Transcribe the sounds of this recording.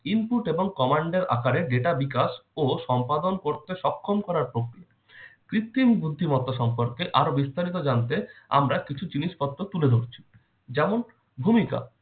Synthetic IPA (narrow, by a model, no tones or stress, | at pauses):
inpuʈeboŋkɔmaɳɖeɾa̰kaɾeɾɖeʈabikaʃoʃɔmpad̪onkoɾt̪eʃɔkʰːomkɔɾaɾpɾokɾia | kɾit̪ːimbud̪ʱːimɔt̪ːaʃɔmpoɾkeʔaɾobist̪aɾit̪od͡ʑant̪ea̰mɾakit͡ɕʰud͡ʑiniʃpɔt̪ːɾot̪uled̪ʱoɾt͡ɕʰi̥ | d͡ʑɛmon | bʱumika̰